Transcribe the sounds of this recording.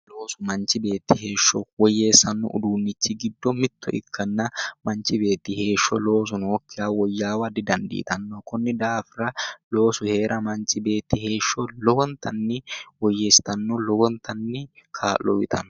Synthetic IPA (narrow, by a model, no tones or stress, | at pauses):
loːsʊmɐnt͡ʃɪbe̞ːt̪ːɪhe̞ːʃːɔwɔjːeːsːɐnːɔ̰ʔʊ̰d̪uːnːɪt͡ʃːɪɡɪd̪ːɔmɪt̪ʰːɔ̰ʔɪ̰kʰːɐnːɐmɐnt͡ʃːɪbe̞ːt̪ːɪhe̞ːʃːɔlo̞ːs̬ʊnɔkːɪjaːwɔjːaːwɐd̪ɪd̪ɐnd̪ḭːt̪ɐnːɔkʊnːɪd̪aːfɾɐlo̞ːsʊhe̞ːɾʔɐmɐnt͡ʃɪbe̞ːt̪ːɪhe̞ːʃːɔlɔwɔnt̪ʰɐnːɪwɔjːeːst̪ɐnːɔlɔwɔnt̪ɐnːɪkʰaːlɔwɪt̪ʰɐnɔ